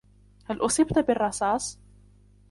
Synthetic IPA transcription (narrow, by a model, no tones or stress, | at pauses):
halʔʊsˤɪbt̪bɪrˤːɑsˤɑːsˤ